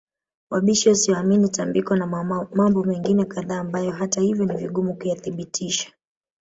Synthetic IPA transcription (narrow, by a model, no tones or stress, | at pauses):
waɓiʃiwasiaminitambikwanamambɔmɛŋɡinɛkaðaːmbajɔɦatahivjɔniviɠumukujaθiɓitʰiʃḁ